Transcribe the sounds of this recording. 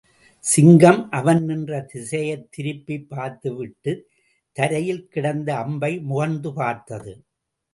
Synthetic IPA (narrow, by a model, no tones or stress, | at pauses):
sɪŋɡɐmʔɐʋɐnnɪndrɐt̪ɪsɐjɐt̪ːɪɾɯpːipːaːɾt̪ɯʋɪʈːɯ | t̪ːɐɾɐjɪlkɪɽɐnd̪ɐːmbɐɪmʊɣɐnd̪ɯpaːɾt̪ɐðɯ